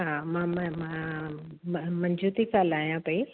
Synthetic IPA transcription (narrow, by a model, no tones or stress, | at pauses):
ɦãːmãːmmã | mmɐɲd͡ʒuːt̪ikaːlaːijãpɐi